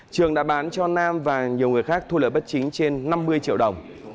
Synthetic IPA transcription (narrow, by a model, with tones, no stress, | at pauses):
t͡ɕɨ˨˩əŋɗa̰ː˧˥ɓaː˨˦nt͡ɕɔ˧naː˧mvaː˨˩ɲi˨˩əwŋɨ˨˩əjxaː˦˥k̚t̪ʰu˧lə̰ː˧˨˩jɓə˦˥t̚t͡ɕï˨˦ŋ̟t͡ɕe˧nːa˧mːɨ˧əjt͡ɕḭ˧əwɗə˨˩wŋ͡m